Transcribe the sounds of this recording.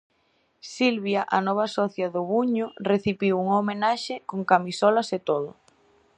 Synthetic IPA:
silβjaʔanɔβ̞asɔθjaðʊβuɲʊreθiβiwuŋomenaʃekoŋkamisɔlɐset̪oðʊ̰

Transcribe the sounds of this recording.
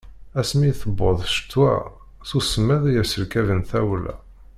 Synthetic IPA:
æsmiθəbːoðˤʃə̥t̪ːwæ̰ | θusəmːæðjæsəɾkævənθæwlæ̰

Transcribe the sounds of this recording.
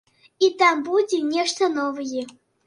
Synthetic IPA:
it̪ambud͡zʲɛnʲɛʂt̪ɐnɔvɨjɛ

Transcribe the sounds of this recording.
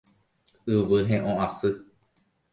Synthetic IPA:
ɨʋɨɦẽʔõʔasɨ

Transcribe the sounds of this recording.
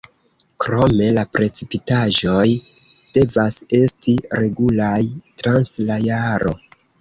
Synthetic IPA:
kɾo̞me̞lapɾe̞t͡sipitaʒo̞j | d̥e̞vase̞stiɾe̞ɡulajtɾanslajaɾo̞

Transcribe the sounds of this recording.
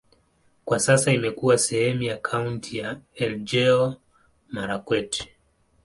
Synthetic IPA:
kwasasaimɛkuasɛhɛmujakʰauntʰijaɛld͡ʒɛɔ | maɾakwɛtɛ̥

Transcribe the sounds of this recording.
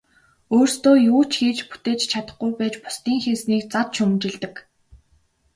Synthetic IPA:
oːrst̪oːjuːt͡ɕxiːt͡ɕpu̥t̪eːt͡ɕt͡ɕʰat̪ə̆χɡujpæːt͡ɕpʊ̥st̪iːŋxensniːk̚t͡sat̪t͡ɕʰɵmnt͡ɕɪ̆ɮt̪ɘ̆k

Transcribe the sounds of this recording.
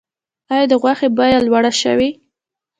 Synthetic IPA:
ɑjɑd̪əɣwaxebɑjalwaɽaʃə̰wi

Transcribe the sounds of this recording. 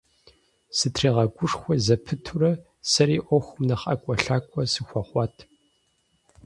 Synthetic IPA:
sɨtʰriːʁɐɡʷʊʂxʷɔzɐpʰɨtʰurɐ | sɐɾiːʔʷɔxʷʊmnɐχɐ̰kʷʼɔɬaːkʷʼɔsɨxʷɔχʷɑːtʰ

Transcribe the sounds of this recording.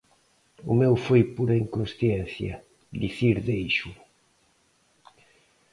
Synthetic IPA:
ʊmewfojpuɾɐiŋkonsθjɛn̟θjɐ̰ | d̪iθiɾðejʃu

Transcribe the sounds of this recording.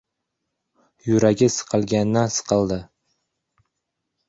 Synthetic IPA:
jʊɾaɡʲɪsɨ̥qʰɨlˠɡʲanːasɨ̥qʰɨlˠd̪ɪ

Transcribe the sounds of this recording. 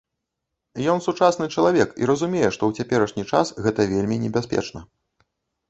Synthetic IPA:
jɔnsut͡ʂasnɨt͡ʂɐlˠavʲɛkḭɾɐzumʲɛjɛʂt̪ɔwt͡sʲapʲɛɾɐʂnʲit͡ʂa̰sɣɛt̪ɐvʲelʲmʲinʲɛbʲaspʲɛ̰t͡ʂnɐ

